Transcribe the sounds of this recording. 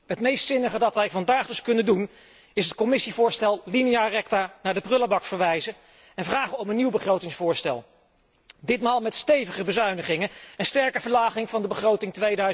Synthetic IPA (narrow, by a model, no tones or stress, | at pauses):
ɦətmejstsɪnəχədɑtʋɛjvɑndaːχdɵskɵnəndun | ɪsɦət̚kɔmɪsivʊːɹstɛlˠlinijarɛk̚tanaːɹdəprɵlabɑkfəɹʋɛjzə | ɛnvraːχəɔmənːiwbəχrowtɪŋsfʊːɹstɛ̰lˠ | dɪtmaːlˠmɛtstejvəχəbəzœɥnəχɪŋənɛnstɛɹkəvəɹlaːχɪŋvɑndəbəχrowtɪŋtʋejdœɥ